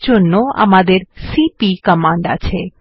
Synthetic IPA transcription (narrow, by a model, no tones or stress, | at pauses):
t͡ʃonːoa̰mad̪eɾsipikəmãɳɖa̰t͡ʃʰe